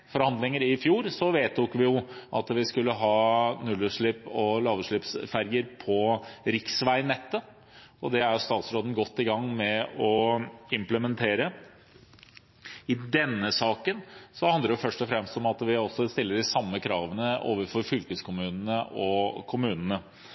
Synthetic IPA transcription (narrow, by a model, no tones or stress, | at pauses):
fɔɾhɑnd̪lɪŋəɾɪfjuːɾsɔʋeːt̪ʰːʊkʋɪjʊʔɑ̰t̪ʋɪskʉlːəɦɑːnʉlːʉʂɭɪpɔlɑːʋəʂɭɪpsfæɾjəɾpʰɔɾɪksʋæɪnːɛt̪ːə | ɔd̪ɛæɾjʊst̪ɑːt̪sɾoːd̪n̩ɡɔt̪ːɪɡɑŋːmɛɔɪmpləmənt̪ʰeːɾə | ɪd̪ɛnːəsɑːkənsɔhɑnd̪əjʊfœʂʈɔfɾɛmst̪ɔmɑt̪ʋɪɔsːɔst̪ɪlːəd̪ɪsɑmːəkʰɾɑːʋənəʔo̰ːʋəɾfɔɾfʏlkəskʰʊmʉːnənəʔɔkʰʊmʉːnənə